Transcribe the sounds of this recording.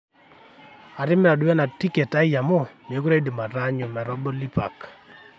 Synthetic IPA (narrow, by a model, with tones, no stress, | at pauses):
a˨ɾɪ˦mɛ˦a˨dwɛ˦na˨ti˦ke˨ta˦ja˨mɔ˦˨n˨e˨˦kuɾa˦i˦di˨ma˨ɾa˦ɲɔ˨mɛ˨ɾɔ˦bɔ˦li˦pa̰˨k